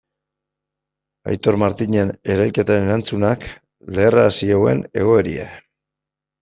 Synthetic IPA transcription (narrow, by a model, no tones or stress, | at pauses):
a̰jt̪o̞ɾmaɾt̪iɲe̞ne̞ɾajlke̞t̪aɾeɾant͡sunak | le̞ːraːsiawe̞̰ne̞̰ɣ̞o̞e̞ɾia̰